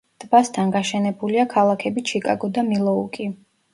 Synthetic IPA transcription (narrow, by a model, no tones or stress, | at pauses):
d̪̥bast̪ʰanɡaʃɛnɛbuliakʰalˠakʰɛbit͡ʃʰikʼa̰ɡɔd̪amilˠɔukʼi